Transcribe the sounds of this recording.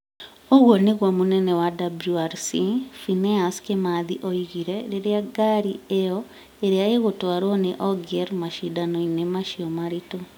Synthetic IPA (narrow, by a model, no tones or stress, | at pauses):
oɣwɔneɣwamunɛnɛwadabluaɾsifinɛaskemaðiʔoiɣiɾeɾeɾjaɡaɾiejɔ | eɾeaeɣotwaɾwɔneʔɔɡeɾmaʃidanoinemaʃiɔmaɾito